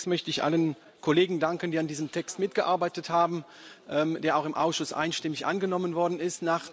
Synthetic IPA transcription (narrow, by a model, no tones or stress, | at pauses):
tmœçtəɪçʔa̰lən | kʰoleːɡŋ̩daŋkən̩diːandiːzəmtʰɛkstmɪt̚ɡ̥əʔaɐbaɪtəthaːbm̩ | ʔɛːmd̥eːɐaʊxɪmʔa̰ʊsʃʊsʔa̰ɪnʃtɪmɪçʔa̰nɡənɔmənvɔɐdn̩ɪstnaːχ